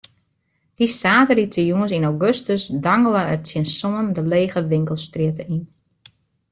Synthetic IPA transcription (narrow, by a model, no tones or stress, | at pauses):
d̥isaːtəlitʰəjuənsinaɡøstəsdaŋələərsjɪnsoːəndəleːɣəʋɪŋkəlˠstrɪətəin